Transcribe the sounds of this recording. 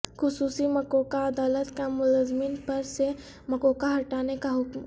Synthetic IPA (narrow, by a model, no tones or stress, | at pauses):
xʊsuːsiməkokaəd̪aːlət̪kamʊlazminpəɾse | məkokaɦɐʈanekaɦʊkm